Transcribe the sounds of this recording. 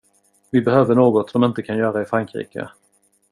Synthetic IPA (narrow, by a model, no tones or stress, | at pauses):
vɪbɛhøːvəɳoːɡɔt̪sɔmɪnt̪əkʰanjœːɾaɪfɾaŋkɾḭːkə̰